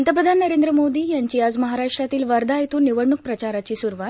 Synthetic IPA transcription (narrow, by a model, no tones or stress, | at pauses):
nt̪əpɾəd̪ʱannəɾend̪ɾəmod̪iːjaɲt͡ɕiːad͡zməɦaɾaʂʈɾat̪iːlʋəɾd̪ʱajt̪uniʋəɽɳːuk̚pɾət͡ɕaɾat͡ɕiːsuɾʋat̪